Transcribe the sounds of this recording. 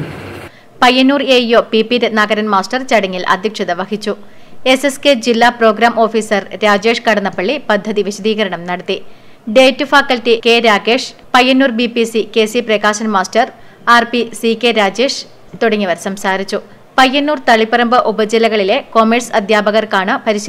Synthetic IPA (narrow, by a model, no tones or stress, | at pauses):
pɐjːɐnːuːrejo̞ːpipiɾɐd̪naːɡɐɾɐnmaːsʈɐrt͡ɕɐɽɐŋːilʔɐ̰d̪ʱjɐkʂɐðɐʋɐhit͡ɕːu | esesked͡ʑilːaːpro̞ːɡɾaːmʔo̞ːfiːsɐrɾaːd͡ʑe̞ːʂkɐɽɐnːɐpːɐɭːipɐd̪ʱːɐðiʋiɕɐðiːɣɐɾɐɳɐmnɐɽɐt̪ːi | ɖeːtːufaːkːɐltike̞ːɾaːɡe̞ːʂpɐjːɐnːuːrbipisike̞ːsiprekaːɕɐnmaːsʈɐr | aːrpisikːeɾaːd͡ʑe̞ːʂ | t̪uɽɐŋːɐʋɐɾsɐmsaːɾit͡ɕːu | pɐjːɐnːuːrt̪ɐɭipːɐɾɐmbɨʔubɐd͡ʑilɐɣɐɭile̞ko̞mersɐd̪ʱjaːbɐɣɐrkaːɳɨpɐɾiɕɐ